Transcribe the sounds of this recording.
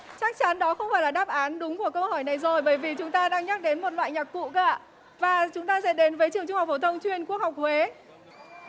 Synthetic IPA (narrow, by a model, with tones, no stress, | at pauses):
t͡ɕaː˦˥k̚t͡ɕa˨˦nɗɔ˨˦xə˧wŋ͡mfaː˧˩laː˨˩ɗaː˦˥p̚ʔaː˨˦nɗʊ˨˦ŋ͡mku˧˩əkə˧whɔ˧˩jna˨˩jzo˨˩jɓəː˧˩jvi˨˩t͡ɕʊ˨˦ŋ͡mt̪aː˧ɗaː˧ŋɲa˦˥k̚ɗe˨˦nmo˨t̚lwa̰ː˧˨jɲaː˨˩k̚kṵ˧˨ka̰ː˧˨ | vaː˨˩t͡ɕʊ˨˦ŋ͡mt̪aː˧zɛ̰˧˥nɗe˨˦nvəː˨˦jt͡ɕɨ˨˩əŋt͡ɕʊ˧hk͡p̚fo˧˩t̪ʰə˧wŋ͡mt͡ɕwi˧ənku˦˥ək̚hwk͡p̚hwe˨˦